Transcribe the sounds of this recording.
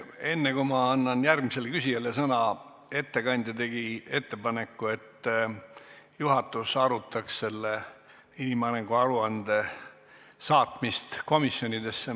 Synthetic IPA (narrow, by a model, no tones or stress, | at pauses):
e̞nːekumɑɑnːɑnjærɡmise̞lkysʲiɑlesɤnɑ | e̞t̪ːe̞kɑnʲd̪̥ʲɑt̪e̞ɡ̥ie̞t̪ːe̞pɑne̞kːue̞t̪ː | juɦɑt̪ːˑusɑɾut̪ːˑɑksse̞lːe | inimɑneŋɡuɑɾuɑnd̪̥e̞ | sɑːt̪mist̪ko̞misːjo̞nʲid̪e̞sːe